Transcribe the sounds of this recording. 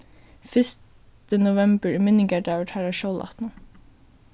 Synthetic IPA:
fʏst | t̪ənʊʋɛmbəɹmɪnɪŋɡæɖɑːʋəʈhæːɹæʃoːlʔɑ̰t̪n

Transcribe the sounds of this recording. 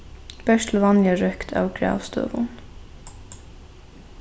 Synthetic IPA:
b̥œʃt̪l̩ʋɑnjəɹœkt̪ʰɑ̰ːʋɡɹɑ̰ːʋst̪ø̰ːʋʊn

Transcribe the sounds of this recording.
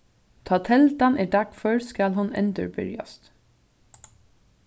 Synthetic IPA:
t̪ʰɑːt̪ʰɛlt̪anɛːɖakfœɹskalhʊnɛ̰nt̪əɹbʏ̰ɹja̰st̪

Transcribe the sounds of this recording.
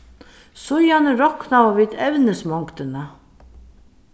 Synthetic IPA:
sʊjanɪɾɔhknavaviːt̪ɛvnɪsmɔŋkt̪ɪna

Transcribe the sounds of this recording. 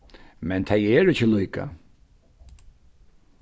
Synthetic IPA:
mɛnt̪ʰɛjɛːɾɪcəlujka̰

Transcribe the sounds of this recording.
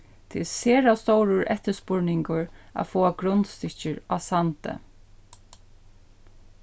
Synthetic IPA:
t̪ʰɪlseːɾast̪owɾʊɹʔɛht̪əspʊɹnɪŋkʊɹa̰foːaɡɾʊnt̪st̪ɪt͡ʃɪɹasant̪ə̰

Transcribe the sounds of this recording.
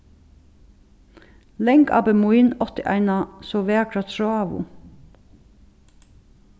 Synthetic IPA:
lɛŋɡɑ̰ːbəmʊiːnɔt̪ɪʔæ̰ɪnɑsoːʋeːɑkʰɾɑt̪ʃoɑːʋʊ̰

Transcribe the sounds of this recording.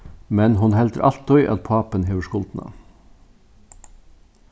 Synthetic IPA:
mɛnhʊnhɛlt̪əɾʔɑ̰lt̪ɔʏʔɑ̰t̪̚pʰɑːpənheːʋəʃkʊlt̪n̩ʔɑ̰

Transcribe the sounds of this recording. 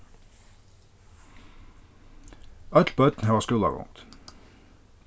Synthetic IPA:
ɑt̪l̩pœt̪n̩hɑːʁskʉlɑ̰ʁʊ̰ŋt̪

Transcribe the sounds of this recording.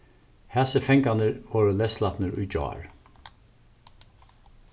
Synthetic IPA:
hɛsəfɛŋkanəɹvɔːɹəlɛslat̪nəɾʊjd͡ʒɔ̰ːɹ

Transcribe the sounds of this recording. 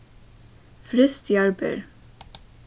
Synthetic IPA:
fɾʏst̪ʰjɑɹbə̰ɹ

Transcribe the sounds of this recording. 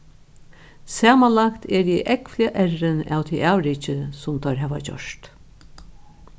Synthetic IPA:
sæːmanlakt̪ʰɛɾjiʔɛkflɪaʔɛɾɪnæ̰ːwt̪ʰiʔɑːwɾiːt͡ʃəsʊmt̪ʰœɹɦæːʋat͡ɕɔ̰ʂt̪

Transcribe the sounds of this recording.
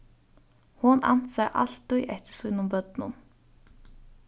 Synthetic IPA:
hʊna̰n̥t̪saʔa̰l̥t̪ːujʔɛht̪ɪ̥ɾ̥sujnʊmpœt̪nʊ̰n

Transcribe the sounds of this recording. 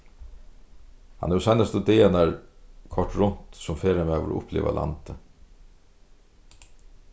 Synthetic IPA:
hanɛsajnast̪ʊd̪ɪːanaɹkʰɔʈɾʊn̥t̪sʊmfeːɾameːaʋɔ̰ɾʔʊ̰plḭːʋa̰lʔa̰nt̪ə

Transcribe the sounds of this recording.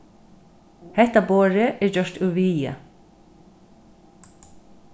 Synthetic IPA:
hɛt̪aboːɹəʔeːɹd͡ʒœʃt̪ʉːʋiːə̰

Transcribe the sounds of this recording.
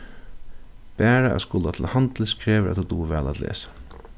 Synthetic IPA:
b̥æːɹaʔɛ̰skʊlat̪ʰɪlhant̪lskʰɾeːʋəʔæ̰t̪ʰut̪uːʋɛ̰ːla̰t̪lḛːsḁ

